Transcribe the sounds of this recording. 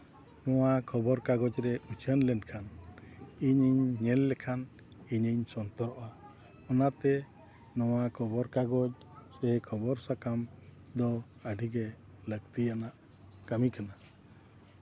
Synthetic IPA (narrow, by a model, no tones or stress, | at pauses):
nɔwakʰɔbɔɾkaɡɔd͡ʒɾɛut͡ʃʰənlɛnkʰan | iɲiɲːɛlːɛkʰan | iɲiɲsɔnt̪ɔɾɔʔa | ɔnat̪ɛ | nɔwakʰɔbɔɾkaɡɔd͡ʒ | sɛkʰɔbɔɾsakam | d̪ɔəɖʱiɡɛ | ləɡt̪ijanaʔ | kamikana